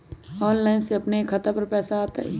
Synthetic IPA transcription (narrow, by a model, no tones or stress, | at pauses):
ɔːnlaːɪnseɐpnekʰːɐt̪apɐɾpɛːsaaːt̪aɦɛ̰